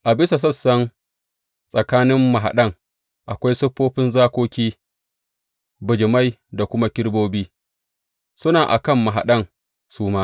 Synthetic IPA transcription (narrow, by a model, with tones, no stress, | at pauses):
ʔa˨bɪ˦sa˨s̬ɐ˦sːɐ˦n | sʼɐ˨kaː˦nɪ˦mːɐ˨ɦa̰˨ɗɐ˦ŋ | ʔa˨kʷa˦jsʊ˦ɸːoː˦ɸɪ˦nzaː˦kʷoː˦kʲiː˦ | bʊ˨d͡ʒɪ˨ma˦jda˨kʷʊ˦ma˦kʲɪ˦ɽboː˦biː˦ | sʊ˦naː˨ʔa̰˨kɐ˦mːa˨ɦa̰˨ɗɐ˦˨ŋ | suː˦maː˦